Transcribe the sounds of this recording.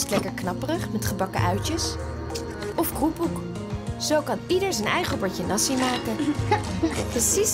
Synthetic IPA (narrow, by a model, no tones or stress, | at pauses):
stlɛkəɹknɑpərəχmɛtχəbɑkə̰ʔœɥcəs | ɔfkrupuk | z̥owkɑnidəɹzənɛjχəbɔɹcənɑsimaːkən | prəsis